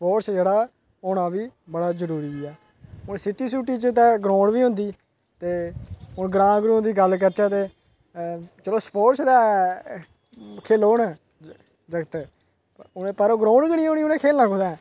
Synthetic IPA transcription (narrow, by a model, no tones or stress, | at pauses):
spoːʈsd͡ʒeːɽaː | ɦoːnaːʋiːbəɽaːzəɾuːɾiːɛː | ʊnsɪʈiːsuːʈiːt͡ʃət̪ɛ̃ːɡɾõːɳʋiːɦʊ̃nd̪iː | t̪eːʊnɡɾãːɡɾũːɦõnd̪iːɡəlk̬əɾt͡ʃaːt̪eː | t͡ʃəloːspoːʈsd̪aː | kʰeːloːnɛː | d͡ʒəɡət̪ː | nẽːpəɾoːɡɾõːɖɡəɽ̃iːoːniːʊnẽːkʰeːlnãːkʰʊd̪ãː